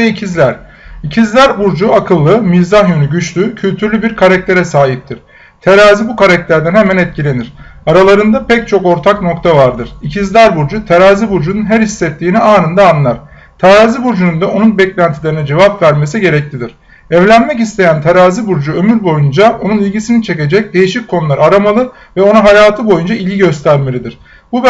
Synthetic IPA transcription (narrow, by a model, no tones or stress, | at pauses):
ɛicʰizlʲæɾ̥ | icʰizlʲæɾbuɾd͡ʒuakʰɯlˠːɯmizahjonyɟyt͡ʃlʲycʰylʲt̪ʰyɾlʲybiɾkʰaɾac̚t̪ʰe̞ɾɛsaːɦip̚t̪ʰiɾ̥ | t̪ʰeɾaːzibukaɾac̚t̪ʰæɾd̪ænhemænɛt̪̚cʰilʲe̞niɾ̥aɾalˠaɾɯnd̪apɛc̚t͡ʃʰo̞ko̞ɾt̪ʰakno̞kt̪ʰavaɾd̪ɯɾ̥icʰizlʲæɾbuɾd͡ʒut̪ʰeɾaːzibuɾd͡ʒununɦæɾhisːɛt̪ʰːiːniaːnɯnd̪aːnːˠaɾ̥ | t̪ʰeɾaːzibuɾd͡ʒunund̪ao̞nunbɛclʲænt̪ʰilʲe̞ɾinid͡ʒe̞vapvæɾme̞s̬iɟe̞ɾɛc̚lʰʲid̪iɾ̥ | ɛvlʲænmɛcist̪ʰe̞jænt̪ʰeɾaːzibuɾd͡ʒuø̞myɾbo̞jund͡ʒao̞nunilʲɟisinit͡ʃʰe̞ce̞d͡ʒɛc̚d̪e̞jiʃic̚ʲkʰo̞nulˠaɾaaɾamalˠɯ | vɛo̞naɦajaːt̪ʰɯbo̞jund͡ʒailʲɟiɟø̞st̪ʰæɾme̞lʲid̪iɾ̥ | bub